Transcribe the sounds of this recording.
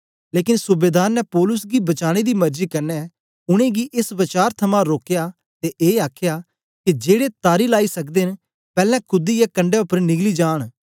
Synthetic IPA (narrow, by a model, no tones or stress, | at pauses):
leːkɪnsʊbeːd̪aːɾnɛpɔːlʊs̬ɡibɐt͡ʃaːɽ̃ed̪iːmɐɾd͡ʒiːkɐɾnɛ | ʊɽ̃ẽɡiʔɪsʋɐt͡ʃaːɾt̪ʰɐmãɾoːkjaː | t̪eʔeːaːkʰjaː | kid͡ʒeːɽet̪aːɾilaːisɐkd̪en | pɛːlɛ̃kʰʊd̪ijakɐ̃ɳɖɛʊpːəɾnɪɡlid͡ʒaːɽ̃